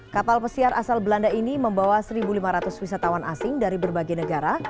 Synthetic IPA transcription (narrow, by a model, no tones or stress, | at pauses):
kapalpəsiaɾʔasalbəlandainiməmbawasəɾibulimaɾat̪ʊswisat̪awanʔasɪŋdaɾibərbaɡajnəɡaɾa